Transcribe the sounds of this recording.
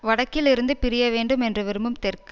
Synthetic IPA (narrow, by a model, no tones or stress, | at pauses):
ʋɐɽɐkːɪlɪɾɯnd̪ɯpɪɾɪjɐʋeːɳɖɯmɛndrɯʋɪɾɯmɯmt̪ɛrkɯ